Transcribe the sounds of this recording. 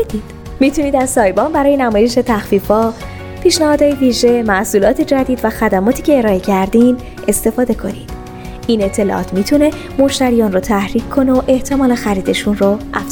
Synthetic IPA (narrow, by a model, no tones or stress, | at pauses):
d̪id̪̥ | mit̪ʰuniːd̪æz̥sɒːjbɒnbæɾɒːjenæmɒːjeʃ̬e̞t̪ʰæxfiːfɒː | pʰiːʃnæhɒːd̪hɒːjeviːʒe̞mæsuːlɒːt̪ʰed͡ʒæd̪iːd̪væxæd̪æmɒːt̪ʰiːcʰe̞ːɾɒːe̞cʰæɾd̪in | e̞st̪e̞fɒːd̪e̞kʰo̞niːd̪̥ | iːne̞t̪ʰːe̞lɒ̰ʔɒ̰ːt̪mit̪ʰune̞ | mo̞ʃt̪æɾijɒːnrot̪ʰæhɾiːckʰːo̞noʔe̞ht̪ʰe̞mɒːlexæɾiːd̪e̞ʃunroʔæfz̥